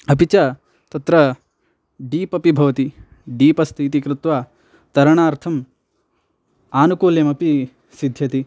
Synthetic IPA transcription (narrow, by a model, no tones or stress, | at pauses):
ɐpit͡ʃɐ | t̪ɐt̪ɾɐ | ɖiːpɐpibʱɐʋɐt̪i | ɖiːpɐst̪ʰiːt̪̬ikɾɪt̪ʋaː | t̪ɐɾɐɳaːɾt̪ʰɐm | aːnukuːljɐmɐpi | sid̪ʱjɐt̪i